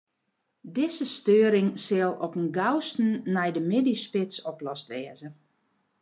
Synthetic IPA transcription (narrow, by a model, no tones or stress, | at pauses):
dɪzəstøːəɾɪŋsɪlˠɔpənɡawstn̩nɛjdəmɪdispɪsɔplɔstʋɛəzən